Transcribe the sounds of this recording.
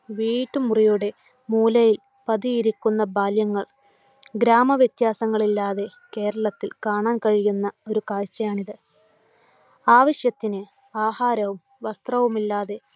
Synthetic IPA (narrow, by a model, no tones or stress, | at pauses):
ʋiːʈːumurijuɽe̞ | muːlɐjil | pɐðiiɾikʲːunːɐbaːljɐŋːɐɭ | ɡɾaːmɐʋjet̪jaːsɐŋːɐɭilːaːðe̞ke̞ːɾɐɭɐt̪ːilkaːɳaːnkɐɻijunːɐo̞ɾukaːɻt͡ɕːɐjaːɳiðɨ | aːʋɐɕjɐt̪ːinɨ | aːhaːɾɐʋum | ʋɐst̪rɐʋumilːaːðe̞